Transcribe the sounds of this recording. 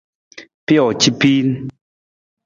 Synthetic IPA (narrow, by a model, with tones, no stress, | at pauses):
pjɔ˨t͡ɕi˦pi˦n˦